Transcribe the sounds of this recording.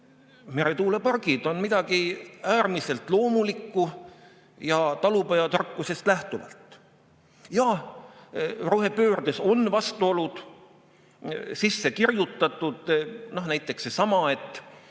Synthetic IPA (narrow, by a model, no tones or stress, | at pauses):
me̞ɾet̪uːle̞pɑrɡ̥id̪̥o̞nmid̪̥ɑɡ̥iæːrmise̞lt̪ˑlo̞ːmulikːu | jɑt̪ɑlupɑjɑt̪ɑrkˑːuse̞st̪læht̪uvɑ̰lt̪ˑ | jɑ | roɦepøːrd̪eso̞nvɑst̪uo̞lud̪̥ | sisːe̞kirjut̪ˑːɑt̪ːˑud̪̥nohnæjt̪ːˑe̞ksesɑmɑe̞t̪ːˑ